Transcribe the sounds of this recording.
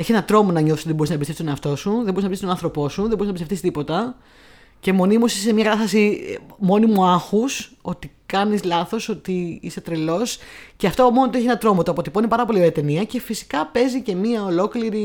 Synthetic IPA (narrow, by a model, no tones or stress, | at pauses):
eçse̞nɐt̪ɾomonɐɲoθisot̪ðeboɾisnɐbist̪epst̪neɐft̪o̞suðeboɾinɐpsist̪onɐ̃nθɾo̞po̞suðemboɾinɐpist̪et̪θist̪ipo̞t̪ɐ | ce̞mo̞nimusisemɲɐkɐt̪ɐst̪ɐsimo̞nimuɐxuso̞t̪ikɐnizlɐθo̞so̞t̪iḭset̪ɾelo̞sce̞ɐft̪omonot̪oeçienɐt̪ɾo̞mot̪oɐpot̪ipoinepɐɾɐpo̞lioɾeɐt̪e̞niɐce̞fisi̥kɐpe̞zice̞miɐolo̞kliɾi